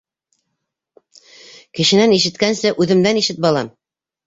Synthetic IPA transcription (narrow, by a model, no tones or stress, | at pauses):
kɘ̆ʃɘ̆næniʃɘ̆t̪kænsɘʔʉðɘ̆md̪æniʃɘt̪̚bɒlˠɑm